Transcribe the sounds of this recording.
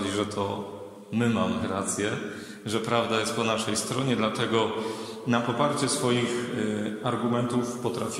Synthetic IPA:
d͡ʑiʐɛt̪ʰɔ | mɘmamɘɾat̪sʲjɛ | ʐɛpɾavd̪ajɛst̪̚pɔnaʂɛjst̪ɾɔɲɛd̪lat̪ɛɡɔ | napɔpaɾt͡ɕɛsfɔjixaɾɡumɛnt̪ufpɔt̪ɾafʲ

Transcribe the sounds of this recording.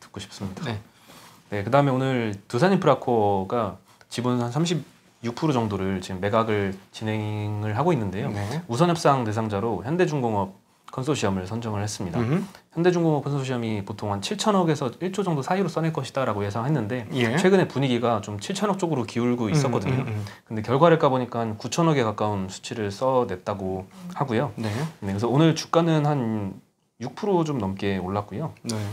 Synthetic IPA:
tɯ̥k͈̚oɕʰi̥p̚s͈ɯmɲida | nekɯdaɯmeonɯɭtusʰaɲimpʰɯɾakʰoɡa | t͡ɕibunansʰamɕʰib̚ | juk̚pʰuɾod͡ʑʌŋdoɾɯɭt͡ɕimːe̞ɡaɡɯɭt͡ɕinɦe̞ŋŋɯɭɦaɡoinːɯnde̞jousʰʌɲɦjʌp̚s͈aŋte̞sʰaŋd͡ʑaɾoçjʌnde̞d͡ʑuŋɡoŋʌp̚ | kʰʌnsʰoɕʰiʌmɯɭsʰʌnd͡ʑʌŋɯɭhe̞s͈ɯmɲidaçjʌnde̞d͡ʑuŋɡoŋʌp̚kʰʌnsʰoɕʰiʌmipotʰoŋɦant͡ɕʰiɭt͡ɕʰʌnʌɡe̞sʰʌiɭt͡ɕ͈ʰod͡ʑʌŋdosʰaiɾos͈ʌneɭk͈ʌɕʰi̥d̥aɾaɡoje̞sʰaŋɦe̞nːɯnde̞jet͡ɕʰweɡɯne̞puɲiɡiɡat͡ɕomt͡ɕʰiɭt͡ɕʰʌnʌk̚t͡ɕ͈oɡɯɾokiuɭɡois͈ʌk͈ʌdɯɲokɯnde̞kjʌɭɡwaɾɯɭk͈aboɲik͈ankut͡ɕʰʌnʌɡe̞kak͈aunsʰu̥t͡ɕʰiɾɯɭs͈ʌde̞t̚t͈aɡohaɡujoenekɯsʰʌonɯɭt͡ɕu̥k͈anɯnhan | juk̚pʰɯɾot͡ɕomnʌmk͈e̞oɭːak̚k͈ujone

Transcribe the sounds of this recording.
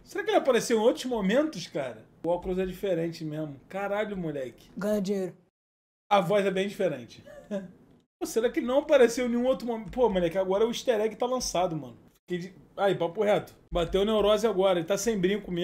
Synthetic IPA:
seɾakɪeʒaapaɾeseõot̪ɾʊzmomẽnt̪ʊʃkaɾɐ | awklɾozɛd͡ʒifeɾẽt͡ʃɪmẽmʊkaɾaʎʊmuʎɛkɪ̥ɡɐ̃ɲɐd͡ʒiɲeɾʊ | ɐvɔjzɛbẽj̃d͡ʒifeɾẽnt͡ʃɪ̥ | poseɾakɪnɐ̃w̃apaɾesewnẽũot̪ɾʊmompomʊlɛkɪaɡɔɾɐɛʊiʃt̪eɾɛkɪt̪alɐ̃sad̪ʊmɐ̰̃nʊfi̥kejd͡ʒɪaibapʊɦɛt̪ʊ̥bat̪ewʊnewɾɔzɪaɡɔɾɐelɪt̪asẽj̃bɾĩʊkʊme

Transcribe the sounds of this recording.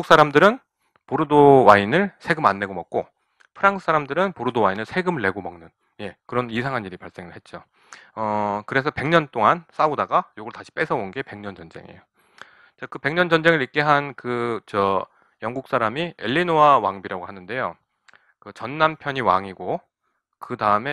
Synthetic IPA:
uks͈aɾamdɯɾɯn | poɾudowainɯɭsʰe̞ɡɯmanːe̞ɡomʌk̚k͈o | pʰɯɾaŋsʰɯ̥s͈ʰaɾamdɯɾɯnpoɾudowainɯɭsʰe̞ɡɯmɯɭːe̞ɡomʌŋnɯn | je̞kɯɾʌnisʰaŋɦaniɾipaɭs͈e̞ŋɯɭhe̞t̚t͡ɕ͈o | ʌkɯɾe̞sʰʌpe̞ŋɲʌnt͈oŋans͈audaɡajoɡɯɾɭotaɕʰi̥p͈e̞sʰʌonɡe̞pe̞ŋɲʌnd͡ʑʌnd͡ʑe̞̰ŋḛjo | t͡ɕakɯpe̞ŋɲʌnd͡ʑʌnd͡ʑe̞ŋɯɭik͈e̞ɦankɯt͡ɕʌ | jʌŋɡuk̚s͈aɾamieʎːinoawaŋbiɾaɡohanɯnde̞jo | kɯt͡ɕʌnːampʰjʌɲiwa̰ŋiɡo | kɯdaɯme̞

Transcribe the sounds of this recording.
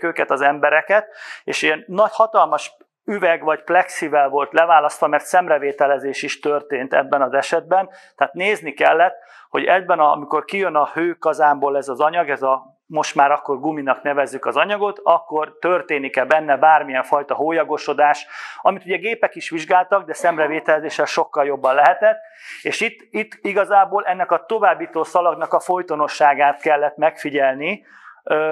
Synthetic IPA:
køːkɛt̪ɒzɛmbɛɾɛkɛt̪ḛːʃenːɒchɒt̪ɒlmɒʃ | yvɛɡʋɒɟflɛksivɛlvo̞lt̪lɛvaːlɒst̪ʋɒmɛrt̪sɛmrɛveːt̪ɛlɛzeːʃiʃt̪ørt̪eːnt̪ɛ̰bːɛnɒzɛʃɛd̪̚bɛnt̪ɛaːt̪neːznikɛlːɛt̪ | ho̞ɟɛd̪bɛnɒmiko̞rkijønɒhøːkɒzaːmboːlɛzɒzɒɲɒɡɛzɒ | mo̞ʃt̪maːɾɒkːo̞rɡuminɒknɛvɛzːykɒzɒɲɒɡo̞t̪ɒkːo̞rt̪ørt̪eːnikɛbɛnːɛbaːrmijɛɱfɒjt̪ɒɦoːjɒɡo̞ʃo̞d̪aːʃɒmit̪uɟɛɡeːpɛkiʃʋiʒɡaːlt̪ɒɡd̪ɛsɛmrɛveːt̪ɛlɛzeːʃɛlʃo̞kːɒljo̞bːɒnlɛɦɛt̪ɛt̪ː | eːʃit̪ːit̪ːiɡɒzaːboːlɛnːɛkɒt̪o̞vaːbːiːt̪oːsɒlɒɡnɒkɒfo̞jt̪o̞no̞ʃːaːɡaːt̪kɛlːɛt̪mɛkfiɟɛlni

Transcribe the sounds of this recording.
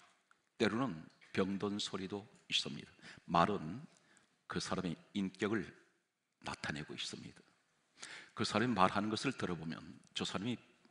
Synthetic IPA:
t͈e̞ɾunɯnpjʌŋdonsʰoɾidois͈ɯmɲḭd̥̪amaɾɯn | kɯsʰaɾameink͈jʌɡɯɭ | na̰tʰaneɡois͈ɯmɲḭd̥ḁ | kɯsʰaɾamimaɾɦanɯnɡʌsʰɯɭtɯɾʌbomjʌ̰nt͡ɕʌsʰaɾami

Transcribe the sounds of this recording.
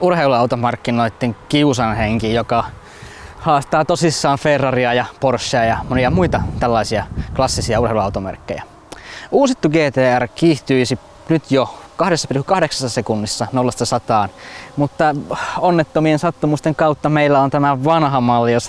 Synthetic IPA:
urheiluɑut̪omɑrkːinoit̪ːeŋkiusɑnheŋkijokɑ | hɑːst̪ɑːt̪osisːɑːɱferːɑriɑjɑporsːeɑjɑmoniɑmuit̪ɑt̪ælːɑisiɑklɑsːisiɑureiluɑut̪omḛrkːḛjæ̰ | uːsit̪ːuɡeːt̪eːærkiːht̪yisi | nyt̪jokɑhdesːɑpirkykɑhdeksɑ̥sːɑsekunːisːɑnolːɑst̪ɑsɑt̪ɑːnmut̪ːɑonːet̪ːomiensɑt̪ːumust̪eŋkɑut̪ːɑmeilːæont̪æmæʋɑnhɑmɑlːijos

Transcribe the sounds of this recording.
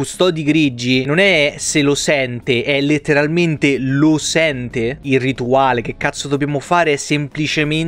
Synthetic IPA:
ust̪ɔːd̪iɡɾid͡ʒːinonɛselosɛnt̪eʔɛlet̪ːeɾalment̪elosɛnt̪eirit̪uaːlek̟ekːat̪sːod̪objaːmofaːɾeɛsːemplit͡ʃemen

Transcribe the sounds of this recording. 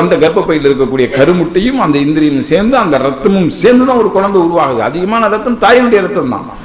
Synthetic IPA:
ɐnd̪ɐɡɐɾpːɐpːɐjɪlɪɾɯk̬ːɐkːuːɽɪjɐkɐɾɯmɯʈːɐjɯmɐnd̪ɐɪnd̪ɪɾɪjɐnɯmseːɾnd̪ɯɐnd̪ɐɾɐt̪ːɐmɯmseːɾnd̪ɯðãːɔɾɯkʊɻɐnd̪ɐʊɾʊʋaːɣɯðɯɐðɪɣɐmaːnɐɾɐt̪ːɐmt̪aːjɐnʊɽɪjɐɾɐt̪ːɐmt̪ã̰ː

